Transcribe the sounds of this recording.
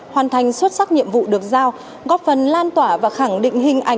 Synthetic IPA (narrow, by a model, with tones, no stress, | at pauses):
hwaː˨˩nt̪ʰa˨˩jŋ̟swə˦˥t̚saː˦˥k̚ɲḭ˧˨əmvṵ˧˨ɗɨ˨˩ək̚zaː˧w | ɣɔ˦˥p̚fə˨˩nlaː˧nt̪waː˧˩vaː˨˩xa˧˩ŋɗḭ̈˧˨ŋ̟ɦï˧ŋ̟ʔa˧˩